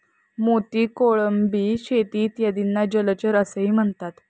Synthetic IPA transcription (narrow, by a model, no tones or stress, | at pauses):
mot̪iːkoɭəmbiːɕet̪iːt̪jad̪inːad͡ʑəlt͡ɕəɾəsəɦiːm̤əɳt̪at̪